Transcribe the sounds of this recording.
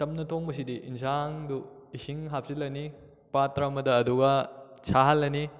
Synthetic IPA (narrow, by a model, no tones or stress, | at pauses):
tɐmnɐtʰoŋbɐs̬idiʔinsʰaŋdu | isiŋɦap̚silɐni | patɾɐɐmɐdɐːduɡɐt͡ʃʰaɦɐlːɐni